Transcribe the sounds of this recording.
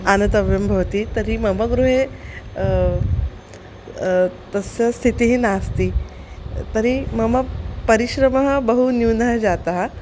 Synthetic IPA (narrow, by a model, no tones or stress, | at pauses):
anɐt̪ɐʋjɐmbʱɐʋɐt̪it̪ɐɾimɐmɐɡɾuɦe | t̪ɐsjɐst̪ʰit̪iɦinaːst̪i | t̪ɐɾimɐmɐpɐɾiɕɾɐmɐɦɐ̆bəɦunjuːnɐɦɐd͡ʒat̪aɦɐ